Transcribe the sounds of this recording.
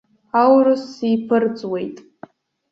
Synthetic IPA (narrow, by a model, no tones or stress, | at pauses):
awrɨsːijpʰɨrt͡sʼwe̞jtʼ